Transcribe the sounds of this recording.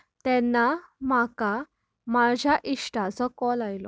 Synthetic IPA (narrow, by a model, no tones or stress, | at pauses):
t̪ɛnːamaka | mad͡ʑʱjaʔiʂʈat͡sɔkɔlajlɔ̰